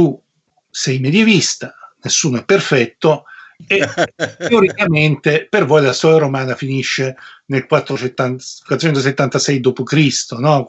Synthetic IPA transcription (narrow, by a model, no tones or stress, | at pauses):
t̪u | sɛjmed̪jevist̪anesːuːnoɛpːerfɛt̪ːoet̪ːeoɾikament̪epervɔjlasɔaɾomaːnafiniʃːenelkwat̪ːɾot͡ʃet̪ːanwat̪ːɾot͡ʃɛnt̪os̬et̪ːant̪asɛjd̪oːpokɾist̪onɔ